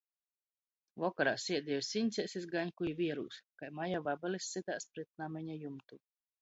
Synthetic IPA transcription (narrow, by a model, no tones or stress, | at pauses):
vɔkaɾa̰ːsʲiɛd̪ʲiɔsinʲt̪sʲɛsʲisɡaɲʲkujivʲiɛɾṵːskajmajavabalisit̪aːspɾɛt̪̚namɛɲʲajumt̪u